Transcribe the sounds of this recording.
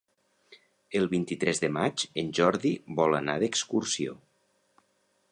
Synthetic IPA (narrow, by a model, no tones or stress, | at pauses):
əlˠβint̪it̪ɾɛzðəmad͡ʒənʲʒɔɾðiβɔlˠanaðəkskuɾsio̰